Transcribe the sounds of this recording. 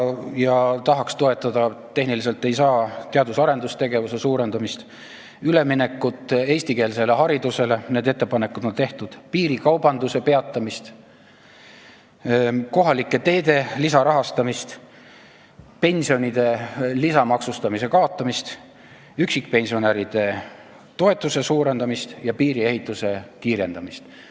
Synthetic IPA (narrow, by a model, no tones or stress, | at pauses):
jɑt̪ɑɦɑkst̪o̞e̞t̪ːˑɑd̪ɑt̪ːe̞hɦnilise̞lt̪ːe̞jsɑːt̪eɑd̪usɑɾe̞nd̪ust̪e̞ɡe̞vuse̞suːɾe̞nd̪ɑmist̪ | yle̞mine̞kːˑut̪ˑːe̞jsʲt̪ike̞ːlse̞le̞ɦɑɾid̪use̞le̞ne̞ːd̪e̞t̪ːe̞pɑne̞kud̪̥o̞nt̪e̞ht̪ud̪̥piːɾikɑwbɑnd̪use̞pe̞ɑt̪ˑːɑmist̪ | ko̞ɦɑlikːˑe̞t̪e̞ːd̪̥e̞lisɑɾɑɦɑst̪ɑmist̪ | pe̞nʲsio̞nʲid̪̥e̞lisɑmɑksust̪ɑmise̞kɑo̞t̪ˑːɑmist̪ | yksikpe̞nʲsio̞neɾid̪̥e̞ | t̪o̞e̞t̪ːˑuse̞suːɾe̞nd̪ɑmist̪jɑpiːɾie̞hit̪ˑːuse̞kiːɾe̞nd̪̥ɑmist̪